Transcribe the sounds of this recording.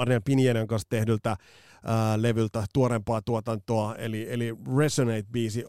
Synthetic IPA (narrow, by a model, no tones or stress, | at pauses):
rniɑpinienɑŋkɑnst̪ehdylt̪æ | leʋylt̪æt̪uoɾempɑːt̪uot̪ɑnt̪oɑḛlieliresonejt̪̚biːsi